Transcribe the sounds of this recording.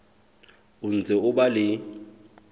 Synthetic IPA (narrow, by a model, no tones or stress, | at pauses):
ʊn̩d͡zʱʼɛʊɓalɪ